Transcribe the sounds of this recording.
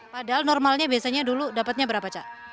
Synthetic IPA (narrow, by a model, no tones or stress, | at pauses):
padaɦalnɔrmalɲabiasaɲaduludapat̪̚ɲabəɾapat͡ʃaʔ